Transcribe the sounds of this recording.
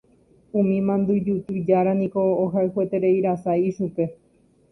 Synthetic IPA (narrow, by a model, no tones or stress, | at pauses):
ũmĩmãnd̪ud͡ʒut̪ɨd͡ʒaɾanĩko̞ːɦaɨhuet̪e̞ɾe̞iɾasaiʃupe̞